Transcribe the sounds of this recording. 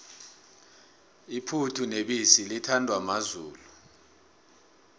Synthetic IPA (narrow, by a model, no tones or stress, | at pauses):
ipʰutʰuneɓisilitʰandʱwamazuːlu